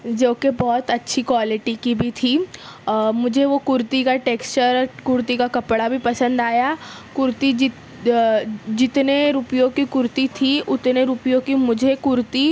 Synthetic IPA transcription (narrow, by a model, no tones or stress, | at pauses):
d͡ʒoːkebɔːt̪ɐtːʃʰikwaːlɪʈikibʱit̪ʰi | mʊd͡ʒʱeʋokʊɾt̪ikaʈeːkst͡ʃəɾkʊɾt̪ikakɐpɽabʱipɐsə̃nd̪aːja | kʊɾt̪id͡ʒɪ | d͡ʒɪt̪neɾupijõkikʊɾt̪it̪ʰiʊt̪neɾupijõkimʊd͡ʒʱekʊɾt̪i